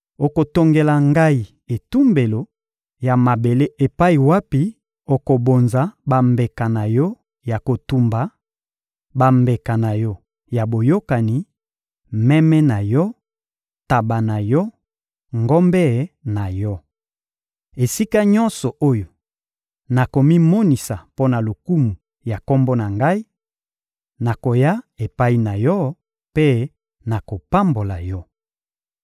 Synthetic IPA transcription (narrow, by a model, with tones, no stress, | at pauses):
o˨ko˨to˨ŋɡe˨la˨ŋɡa˦i˨ | e˨tu˦mbe˨lo˨ | ja˨ma˨be˨le˦e˨pa˦i˨wa˦pi˦ | o˨ko˨bo˨nza˨˦ba˨mbe˨ka˨na˨jɔ˦ | ja˨ko˨tu˦mba˨˦ | ba˨mbe˨ka˨na˨jɔ˦ | ja˨bo˨jo˦ka˨ni˨ | mɛ˦mɛ˦na˨jɔ˦ | ta˨ba˨na˨jɔ˦ | ŋɡo˦mbɛ˦˨na˨jɔ˦ | e˨si˦ka˦ɲɔ̃˦nsɔ˨ʔo˦jo˨ | na˨ko˨mi˦mo˦ni˨sa˨po˦na˨lo˨ku˦mu˨ | ja˨kɔ˦mbɔ˦na˨ŋɡa˦i˦ | na˨ko˨ja˦e˨pa˦i˦na˨jɔ˦ | pe˦ | na˨ko˨pa˦mbo˨la˨jɔ˦